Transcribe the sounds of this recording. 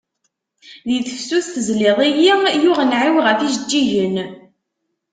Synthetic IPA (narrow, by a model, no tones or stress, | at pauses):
ðiθəfsuθθəzliðˤijijʊʁənʕiwʁæθiʒəd͡ʒːiʝən